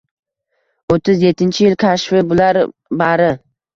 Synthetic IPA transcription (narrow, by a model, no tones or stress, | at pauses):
ot̪ʰːɪzje̞t̪ʰːɪnt͡ʃʰɪjɪlkʲʰaʃfɪbʊlaɾbaɾɪ